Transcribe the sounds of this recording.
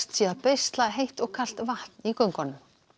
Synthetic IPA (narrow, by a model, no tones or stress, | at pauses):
t̪sjɛapejst̪laɣɦejht̪ɔɣkʰal̥t̪vaht̪nikœŋkɔnʏm